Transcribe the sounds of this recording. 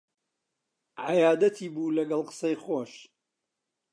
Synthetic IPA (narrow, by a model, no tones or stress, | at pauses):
ʕajaːd̪ɐt̪ʰiːbuːlɐɡɐlˠqə̥sɐjχoːʃ